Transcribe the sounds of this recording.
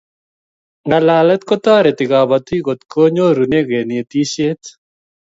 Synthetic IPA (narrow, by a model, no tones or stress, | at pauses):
ŋɐlaːlɐt̪kot̪aːɾet̪iɡaːbɐt̪ʰiːɡot̪kʰoːɲoːɾuneɡeːniːt̪iːɕeːt̪